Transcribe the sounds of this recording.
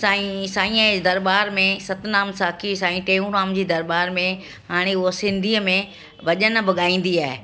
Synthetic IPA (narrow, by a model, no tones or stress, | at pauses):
saːĩsãːĩːə̃d̪ɐɾbaːɾmẽsɐt̪naːmsaːkʰisãːĩʈeːũnãːmd͡ʑiːd̪ɐɾbaːɾmẽ | ɦaːɽ̃eʊɦsɪ̃nd̪ʱiːəmẽ | ʋɐʄən̆bɪɠaːĩːn̆d̪iaːɦɪ